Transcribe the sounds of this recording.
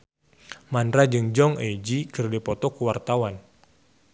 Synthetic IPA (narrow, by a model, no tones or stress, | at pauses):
manɾad͡ʒɨŋd͡ʒɔŋed͡ʒikɨrdipɔt̪ɔkuwart̪awan